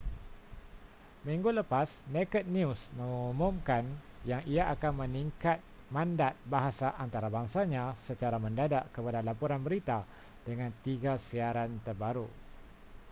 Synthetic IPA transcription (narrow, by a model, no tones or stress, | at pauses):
miŋɡuləpasnɛkət̪̚niusməŋumũmkanjaŋiaʔakanmə̃niŋkat̪̚ | mãndat̪̚baɦasaʔant̪aɾabaŋsaɲãsət͡ʃaɾamə̃ndadaʔkəpadalapuɾanbəɾit̪a | dəŋãnt̪iɡasiaɾant̪ərbaɾu